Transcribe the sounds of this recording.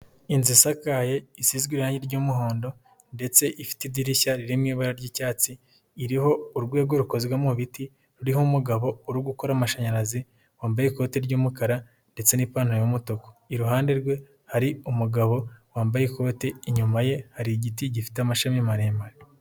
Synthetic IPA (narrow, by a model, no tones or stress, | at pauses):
inzisakaje̞isizɡwiɾuhaːɲɟiɾɟoːmuɦo̞ːndo̞ | nde̞t͡se̞ʔifi̥tidiɾiçaɾiɾimŋiːβaɾaɾɟiːcaːt͡siː | ɾiho̞uɾɡwe̞ːɡo̞ɾukozɡwamuβiti | ɾuɾihumuɡaβo̞uɾuɡukoɾamaʃaɲaɾazi | waːmbajeko̞ːteɾɟuːmukaɾa | nde̞t͡se̞nipaːnhojomutoko̥iɾuɦaːnde̞ɾɡwe̞ | haɾiumuɡaβo̞waːmbajeko̞ːteiɲumaje̞haɾiɟitiɟifi̥teamaʃamimaɾeːmbaɾe